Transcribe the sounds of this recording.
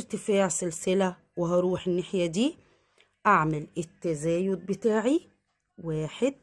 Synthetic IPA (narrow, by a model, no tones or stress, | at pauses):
ɾt̪ɪfaːʕsɪlsɪlæ | wɪɦɑɾˤuːħɪnːeħjæd̪iː | ʔaʕmɪlɪt̪ːæzæːjʊd̪̚bɪt̪aːʕi | waːħed̪̥̚